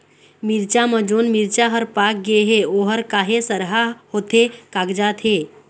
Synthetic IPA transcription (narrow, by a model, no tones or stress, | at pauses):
miɾt͡ʃamə̃d͡ʒoːnmiɾt͡ʃaɦəɾpak̚ɡeɦeoɦəɾkaːɦesəɾɦahoːt̪ʰekaɡd͡ʒaːt̪ɦe